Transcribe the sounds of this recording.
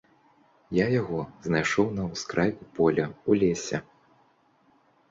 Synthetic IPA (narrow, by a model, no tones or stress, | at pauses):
jajaɣɔznajʂɔwnɐwskɾʔajkupɔlʲɛulʲesʲɛ̰